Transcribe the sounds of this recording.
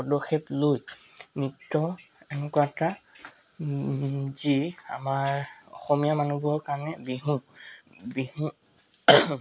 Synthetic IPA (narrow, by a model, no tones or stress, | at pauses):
pɔdɔxʰeplojmɹitːɔɛnɛkuwata | zia̰maɹɔ̰xɔmijamanubɔɹkaɹnɛbiɦũ | biɦũ